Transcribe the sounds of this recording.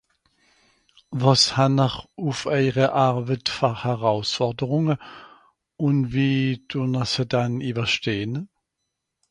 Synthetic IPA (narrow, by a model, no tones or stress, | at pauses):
vɔshanəχʊfɛɪʁəʔaʁbətfaʁhɛʁaʊsfɔʁdəʁʊŋə | ʊntviːd̥unəsədaniːbɐʃteːnə